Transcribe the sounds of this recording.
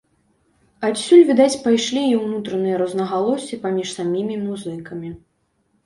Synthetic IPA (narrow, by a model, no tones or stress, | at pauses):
at̪sʲulʲvʲid̪at͡sʲpajʂlʲiiwnut̪ɾɐnɨjɐɾɐznɐɣalˠɔsʲipamʲiʂsamʲimʲimuzɨkɐmʲi